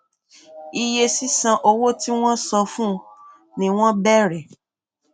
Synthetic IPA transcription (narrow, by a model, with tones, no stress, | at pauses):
i˧je˧si˦sã˧ʔo˧wo˦ti˦w̃ɔ̃˦sɔ˧fũ˦ | nĩ˨w̃ɔ̃˦bɛ˦ɾɛ˨